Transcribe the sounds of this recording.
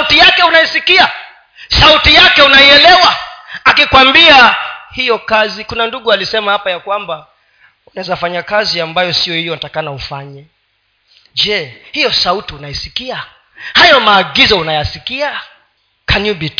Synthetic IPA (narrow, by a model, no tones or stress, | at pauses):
sautijakɛunaisikia | sautijakɛunaiɛlɛwaːkikwambiahijɔkazikunanduɠualisɛmahapajakwamba | unaɛzafaɲakaziambajɔsiɔhijɔnatakanaufaɲɛ | d͡ʒɛhijɔsautiunaisikia | hajɔmaːɡizɔunajasikia | kʰaɲubit